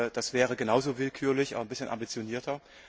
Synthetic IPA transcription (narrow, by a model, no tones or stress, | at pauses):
d̥asv̥ɛːʁ̞əɡənaʊzoːvɪlkʰyːɐlɪçʔa̰bɐnbɪsçənʔa̰mbit͡sjoniːɐtʰɐ